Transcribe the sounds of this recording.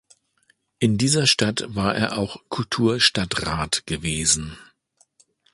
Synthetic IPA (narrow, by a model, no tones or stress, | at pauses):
ʔɪndiːzɐʃtatvaːɐʔḛːɐʔaʊxkʰʊltʰuːɐʃtatʁaːtɡ̥əveːzn̩